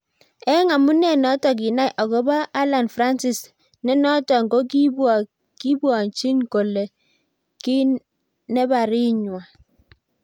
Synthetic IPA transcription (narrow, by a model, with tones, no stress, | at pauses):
ɛ˦ŋa˨mu˦nɛ˦˨nɔ˨˦tɔ˨k̬i˨na˦jʔɔ˨kɔ˦ba˦ʔːla˨nfɾa˦nsi˨s | nɛ˦nɔ˦tɔ˨ŋɡo˦ki˦bwa˨ | ki˦bwa˨ɲt͡ʃi˦ŋko˨le˨ | ki˦ | nɛ˦ba˨ɾi˦ɲwa˨